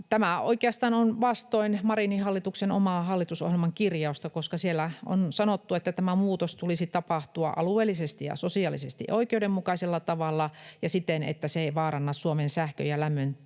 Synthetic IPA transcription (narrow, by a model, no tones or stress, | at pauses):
t̪æmæo̰ikeɑst̪ɑːnonʋɑst̪oinmɑrinihɑlːit̪uksenomɑːhɑlːit̪uso̰hjelmɑŋkirjɑust̪ɑkoskɑsielːæo̰nsɑnot̪ːuet̪ːæt̪æmæmuːt̪ost̪ulisit̪ɑpɑht̪uɑ̰ʔɑ̰lueːlːisest̪ijɑ̰sosiɑlisḛst̪ḭʔʔoikeudemmukɑiselːɑt̪ɑʋɑlːɑjɑsit̪ːenḛt̪ːæseeiʋɑːɾɑnːɑssuomensæhkø̰jælæmːøn